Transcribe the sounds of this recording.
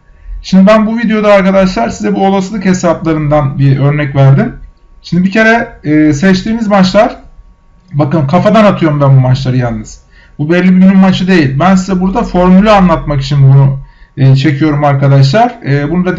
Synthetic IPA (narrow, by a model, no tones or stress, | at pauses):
ʃimd̪ibænbuvid̪ejo̞d̪aːɾkad̪aʃlˠaɾsizɛbuolˠasɯlˠɯkhe̞saplˠaɾɯnd̪anbiø̞ɾnɛcvæɾd̪im | ʃimd̪ibicʰe̞ɾɛːsɛt͡ʃt̪ʰiːmizmat͡ʃlˠaɾ̥ | bakɯmkʰafad̪anat̪ʰɯjo̞ɾumbænbumat͡ʃlˠaɾɯjanˠnːɯz̥ | bubɛlʲːibibynymmat͡ʃʰɯd̪e̞jilʲbæns̬izɛbuɾd̪afo̞ɾmulʲˠaanlˠat̪maki̥t͡ʃʰinbunuɯːt͡ʃʰe̞cʰijo̞ɾumaɾkad̪aʃ̬lˠaɾ̥ɯːbunud̪a